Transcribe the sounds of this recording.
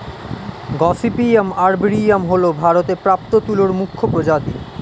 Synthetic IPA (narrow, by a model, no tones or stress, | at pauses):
ɡɔsipiemaɾbɾiamɦolobʱaɾot̪epɾap̚t̪ot̪uloɾmukʰːopɾod͡ʑat̪i